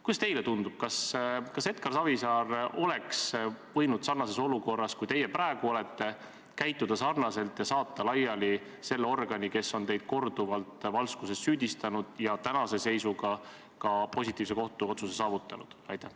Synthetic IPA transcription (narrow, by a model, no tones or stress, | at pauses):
kuj̪ɑst̪e̞jlet̪und̪ub̥̚kɑskɑse̞t̪kɑrsɑvisɑːro̞leksvɤ̞jnud̪̥sɑrnɑse̞so̞luko̞rːɑskujt̪e̞jepɾæeɡ̥uo̞le̞t̪ːe̞ | kæjt̪ˑːud̪̥ɑsɑrnɑse̞lt̪jɑsɑːt̪ːˑɑlɑjːɑli | se̞lːeo̞rɡ̥ɑnʲike̞sːo̞nt̪e̞jd̪̥̚ko̞rd̪uvɑlt̪ˑvɑlskusessyːd̪ist̪ɑnud̪̥jɑt̪ænɑse̞se̞jsuɡɑ | kɑpo̞sʲit̪ːˑiːvs̬eko̞ht̪uo̞t̪susesɑːvut̪ːˑɑnud̪̥ɑjt̪ːˑæh